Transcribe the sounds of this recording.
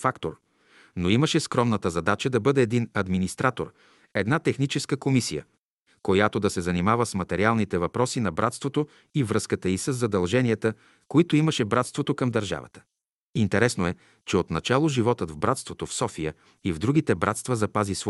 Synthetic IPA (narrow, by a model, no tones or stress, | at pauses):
fakt̪oɾ | noiməʃɛskɾɔmnət̪əzɐd̪at͡ʃəd̪ɐbɤd̪ɛːd̪inɐd̪minist̪ɾat̪o̰ɾ | ɛd̪nat̪ɛxnit͡ʃɛskəkomisijə̰ | kojat̪od̪ɐsɛzɐnimavəsmɐt̪ɛɾialˠnit̪ɛvɐpɾɔsinɐbɾat̪st̪vot̪o | ivɾɤskət̪əisəzːɐd̪ɐlˠʒɛniɛt̪ə | koit̪oimɐʃɛbɾat̪st̪vot̪okɐmd̪ɐɾʒa̰və̰t̪ə̥ | int̪ɛɾɛsnoɛ | t͡ʃɛot̪nɐt͡ʃalˠoʒivɔt̪əd̪vbɾat̪st̪vot̪ofsɔfijə | ivd̪ɾuɡ̟it̪ɛbɾa̰t̪st̪vɐzɐpazisv